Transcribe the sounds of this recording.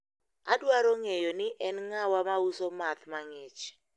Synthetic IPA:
adwaɾoŋejonɪʔɛnŋawamausomat̪maŋɪt͡ʃ

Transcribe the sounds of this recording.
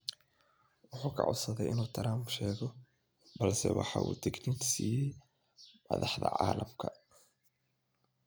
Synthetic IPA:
wʊħuːkʰɐ̰ʕʊ̰sɐðɛjʔɪnuːt̪ʰɐɾaːmʃɛːɣɔ | bɐlsɛ̰wɑħɑːʔṵːt̪ʰɪɡniːksiːjɛj | mɐðɑħðɐʕɑːlɐmkʰɐ

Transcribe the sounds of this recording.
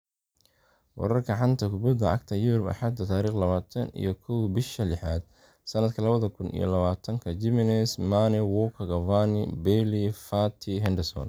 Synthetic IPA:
wɑ̰ɾɐrkʰɐʕɑnt̪ʰɐkʰʊbɐd̪ɐʕɑ̰ɡt̪ʰɐjʊɾʊbɐ̰ħɑd̪ɐt̪ʰaːɾiːχlɐβaːt̪ʰɐnḭjɞkʰɔwbɪʃɐlɪħaːd̪̥̚ | sɐnɐd̪kʰɐlɐβɐðɐkʰʊnḭjɔ̰lɐβaːt̪ʰɐŋkʰɐd͡ʒɪmɪnɛsmanɛwɔkʰɐɣɐvanɪbɛlifat̪ʰɪɦɛnd̪ɛsɔ̰n

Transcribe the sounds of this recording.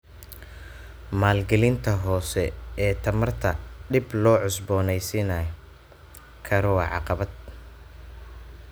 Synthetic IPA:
maːlɡɐlɪnt̪ʰɐɦɔːsɛɛːt̪ʰɐmɐrt̪ʰɐɖɪblɔːʕʊsbɔːnɛjsinɐj | kʰɐɾɔwɑʕɑ̰qɑβɐd̪̚

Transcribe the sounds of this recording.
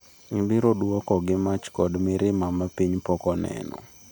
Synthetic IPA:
ibɪɾoduɔkɔɡɪmat͡ʃkɔdmɪɾɪmamapiɲpɔkɔnɛ̰nɔ̰

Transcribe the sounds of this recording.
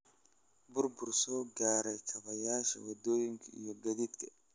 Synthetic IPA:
bʊrbʊrsɔːɡaːɾɛjkʰɐβɐjaːʃɐ̰wɐd̪ɔːjɪŋkʰɐḭjɔɡɐd̪id̪kʰɐ

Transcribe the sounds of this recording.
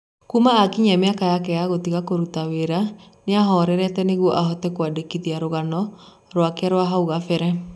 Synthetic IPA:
kumaːkiɲɛmeakajakɛjaɣotiɣakoɾutaweɾaneaɦɔːɾɛɾɛtɛneɣwɔʔaɦɔtɛkwadekiðiaɾoɣanɔ | ɾwakeaɾwaɦauɣafɛɾɛ

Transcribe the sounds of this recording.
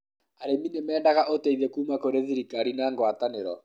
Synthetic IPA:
aɾeminemɛːndaɣaʔoteiðɛkuːmakoɾeðiɾikaɾinaːŋɡwataneɾɔ̰

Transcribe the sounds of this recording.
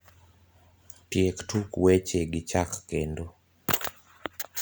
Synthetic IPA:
tjektʰukwet͡ʃeɡɪt͡ʃakːendo

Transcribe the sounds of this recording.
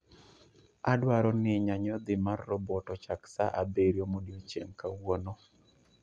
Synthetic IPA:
adwaɾɔnɪɲaɲɔd̪ɪmarːɔbɔtɔt͡ʃaksa̰ʔabeɾjomodjot͡ʃeŋkawonɔ

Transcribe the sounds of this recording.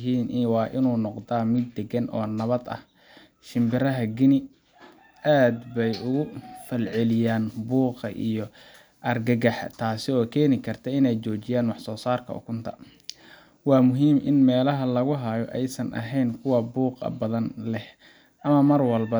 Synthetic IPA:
ɦiːnʔwɑːʔɪnuːnɔqd̪aːmɪd̪ːɛɡɐnʔɔ̰ːnɐβɐd̪ɐ̰h | ʃɪmbɪɾɐɦɐɡɪnɪ | ʔaːd̪bɛjʊɣʊfɐlʕɪlɪjaːnbuːqɐ̰ʔijɞ | ʔɐrɡɐɣɐħt̪ʰaːsɪɔːkʰɛːnɪkʰɐrt̪ʰɛɪnɛjt͡ʃɔːt͡ʃɪjaːnwɑħsɔːsaːrkʰɐ̰ʊ̰kʰʊnt̪ʰɐ̥̰ | wɑːmʊɦiːmʔɪ̰nmɛːlɐɦɐlɐɣʊɦɐjɔʔɛjsɐnʔɐ̰ɦɛjnkʰʊwɐbuːqɐ̰bɐðɐnlɛh | ʔɐmɐmɐrwɐlbɐ

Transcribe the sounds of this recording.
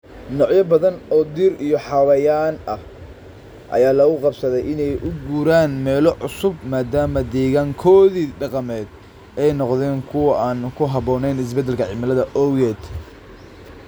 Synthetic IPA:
nɔʕjɐbɐðɐnɔːd̪iɾijɔħɑwɐjaːnɐh | ʔɐ̰jaːlɐɣʊqɑbsɐðɛjɪnɛjʔʊɡuːɾaːnmɛːlɔʕʊsʊbmaːd̪aːmɐd̪ɛːɣaːŋkʰɔːðiːɖɑqɑmɛːd̪ | ɛjnɔqðɛːŋkʰʊwɐʔaːnkʰʊɦɑβɔːnɛjnɪs̬bɛd̪ɛlkʰɐʕɪmɐlɐðɐʔɔwjɛːd̪

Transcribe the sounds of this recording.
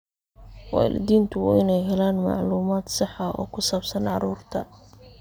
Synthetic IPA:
wɑːlɪ̰d̪iːnt̪ʰʊwɪnɛjɦɛlaːnmɑ̰ʕluːmaːd̪sɑħɐɔ̰ːkʰʊsaːbsɐnʕɑ̰ɾuːrt̪ʰɐ

